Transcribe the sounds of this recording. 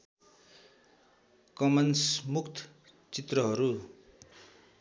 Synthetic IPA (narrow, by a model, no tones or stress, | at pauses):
kʌmʌnsmukt̪ʰ | t͡sit̪rʌɦʌɾu